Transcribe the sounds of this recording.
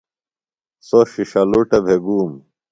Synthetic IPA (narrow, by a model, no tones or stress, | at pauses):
soɕiɕɐluʈɐbʱeɡuːm